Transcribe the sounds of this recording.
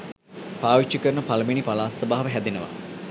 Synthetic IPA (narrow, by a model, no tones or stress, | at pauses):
paːʋit͡ʃːikəɾənəpaləminipalaːsəbaːɦɐʋəɦæd̪enəʋa̰